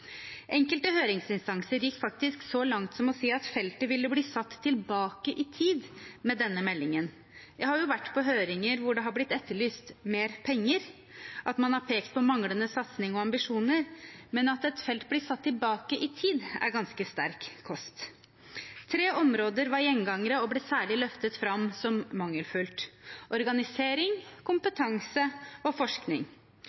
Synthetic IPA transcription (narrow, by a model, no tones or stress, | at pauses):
ʔɛŋkəlt̪əhøːɾɪŋsɪnst̪ɑŋsəɾjɪkːfɑk̚t̪ɪsksɔlɑŋt̪sɔmɔsiːɑt̪fɛlt̪əʋɪlːəbliːsɑt̪ʰːɪlbɑːkəʔɪt̪ʰiːd̪mɛd̪ɛnːəmɛlːɪŋən | jæɪhɑɾjʊʋæʈːpʰɔɦøːɾɪŋəɾʋʊɖɛɦɑɾblɪt̪ːɛt̪ʰːəɭyːst̪meːɾpʰɛŋːəɾ | ʔɑt̪mɑnhɑɾpʰeːkt̪̚pʰɔmɑŋlənəsɑt̪snɪŋɔɑmbɪʂuːnəɾmɛnɑt̪ɛt̪fɛlt̪̚blɪsɑt̪ʰːɪlbɑːkəʔɪt̪ʰiːd̪æ̰ɾɡɑnskəst̪æɾkʰːɔst̪ | t̪ʰɾeːʔɔmɾoːd̪əɾʋɑɾjɛŋɡɑŋəɾəɔbleːsæːɭɪlœft̪ət̪fɾɑmsɔmmɑŋːəlfʉlt̪ʔɔɾɡɑnɪseːɾɪŋkʊmpət̪ʰɑŋsəɔfɔʂknɪ̰ŋ